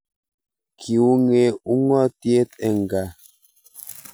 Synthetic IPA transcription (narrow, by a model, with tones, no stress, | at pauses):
kʰi˨u˦ŋe˨u˦ŋɔ˦tje˦t̚ɛ˨ŋ˨ɡa˨